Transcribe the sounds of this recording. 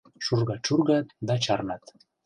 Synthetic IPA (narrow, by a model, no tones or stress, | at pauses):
ʃurɣɑt͡ɕurɣɑt̪d̪ɑt͡ɕɑrnɑt̪